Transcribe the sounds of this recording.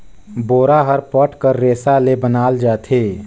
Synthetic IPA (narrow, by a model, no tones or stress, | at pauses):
boːɾaɦəɾpɔʈkəɾːeːsalebənaːld͡ʒaːt̪ʰeː